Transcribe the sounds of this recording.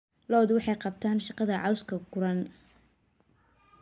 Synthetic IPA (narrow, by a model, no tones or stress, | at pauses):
lɔːd̪wɑħɑjqɑb̚t̪ʰaːnʃɑqɑðɐʕɑwskʰɐɡʊɾɐn